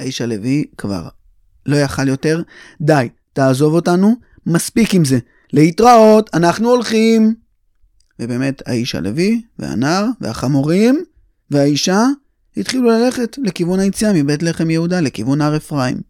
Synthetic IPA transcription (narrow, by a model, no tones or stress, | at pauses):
aiʃale̞vikva̰ʁ | lo̞jaχaljo̞te̞ʁ | daj | taːzo̞vo̞tanu | maspikimze̞ | le̞itʁao̞tʰanaχnuolχim | vebe̞ːme̞ta̰iʃa̰le̞̰vivḛa̰naʁve̞̰a̰χamoʁim | veaiʃa | hit̪χilulale̞χe̞tle̞kivunajit͡sijamibetle̞χe̞mjehudale̞kivunaʁefʁaḭm